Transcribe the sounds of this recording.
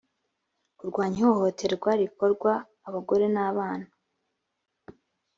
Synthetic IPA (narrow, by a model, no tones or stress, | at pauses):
uɾɡwaːɲihoho̞te̞ɾɡwaɾiko̞ɾɡwaː | βaɡo̞ɾe̞naːβaːnḁ